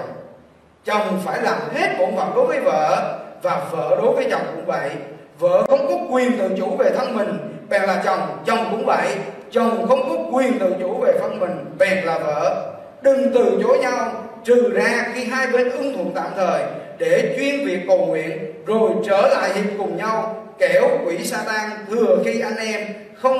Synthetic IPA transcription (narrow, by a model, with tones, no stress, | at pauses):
t͡ɕɔ˨˩wŋ͡mfaː˧˩jlaː˨˩mɦe˦˥t̚mo̰˧˩nva̰ː˨˧˩ɗo˨˦jvəː˨˦jvə̰ː˧˨vaː˨˩və̰ː˧˥ɗo˨˦jvəː˨˦jt͡ɕə˨˩wŋ͡mkʊ̰˧˥ŋ͡mvə̰˧˨j | və̰ː˧˨xə˧wŋ͡mkɔ˨˦kwi˨˩ənt̪ɨ̰˧˨t͡ɕu˧˩ve˨˩t̪ʰə˧nmï˨˩ŋ̟ɓɛ˨˩ŋlaː˨˩t͡ɕɔ˨˩wŋ͡mt͡ɕɔ˨˩wŋ͡mkʊ̰˧˥ŋ͡mvə̰˧˨j | t͡ɕɔ˨˩wŋ͡mxə˧wŋ͡mkɔ˨˦kwi˨˩ənt̪ɨ̰˧˨t͡ɕu˧˩˥ve˨˩t̪ʰə˧nmï˨˩ŋ̟ɓɛ˨˩nlaː˨˩və̰ː˧˨ | ɗɨ˨˩ŋt̪ɨ˨˧˨t͡ɕo˨˦jɲa˧w | t͡ɕɨ˨˩zaː˧xi˧ɦaː˧jɓe˧nʔɨ˧˦ŋt̪ʰwṵ˧˨nt̪a̰ː˧˨mt̪ʰəː˨˩jɗe˧˩t͡ɕwi˧ənvi˨˩əkːə˨˩wŋwḭ˧˨ənzo˨˩jt͡ɕəː˧˩la̰ː˧˨jzḭ˨ŋkʊ˨˩ŋ͡mɲa˧wkɛ˧˩wkwi˧˩˥saː˧t̪aː˧nt̪ʰɨ˨˩əxi˧ʔa˧jŋʔɛ˧m | xə˧wŋ͡m